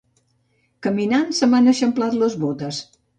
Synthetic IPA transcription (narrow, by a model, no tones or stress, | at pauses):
kəminansəmanəʃəmplat̪ləzβot̪əs